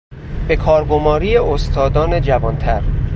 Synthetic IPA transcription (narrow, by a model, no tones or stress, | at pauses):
be̞kʰɒːɾɡo̞mɒːɾiːjeost̪ʰɒːd̪ɒːne̞d͡ʒævɒːnt̪ʰæɾ